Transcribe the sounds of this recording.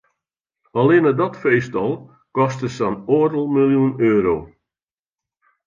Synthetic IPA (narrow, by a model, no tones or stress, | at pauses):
alɪnədɔtfejstɔlˠ | kɔstəsanoːdl̩ˠmilˠjunøːɾoː